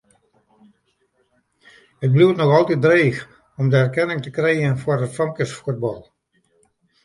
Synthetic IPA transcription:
hət̚bluwtnɔxɑlˠtit̚dreːx | ɔmdəɛrkɛnɪŋtəkrejənfwərətfɑmkəsfuəd̚bɑlˠ

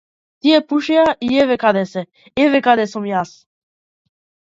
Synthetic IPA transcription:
t̪iɛpuʃɛaʔiɛvɛkad̪ɛsɛ | ɛvɛkad̪ɛsɔmjas

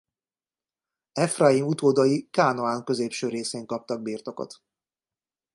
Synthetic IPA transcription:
ɛfrajimut̪oːd̪ɒjikaːnoaːŋkø̞zeːpʃøːɾeːseːŋkɒp̚t̪ɒɡ̚biːrt̪o̞ko̰t̪

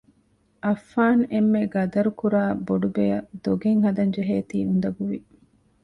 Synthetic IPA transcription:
ʔɐfːaːnemːeɡɐd̪ɐɾukuɾaːboɖubejɐd̪̥oɡeŋɦɐd̪ɐnd͡ʒeɦeːt̪iːund̪ɐɡuʋi

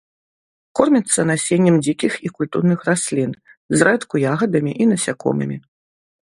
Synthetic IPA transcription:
kɔrmʲit̪sːɐnasʲenʲːɛmd͡zʲikʲixikulʲt̪ṵrnɨxrasʲlʲin | zrɛt̪kujaɣɐd̪ɐmʲiʔinɐsʲakɔ̰mɨ̰mʲi

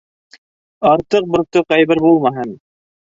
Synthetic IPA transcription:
ɑɾt̪ɤq̚bŏɾt̪oqɑjβɘɾbulˠmɑɦɤn

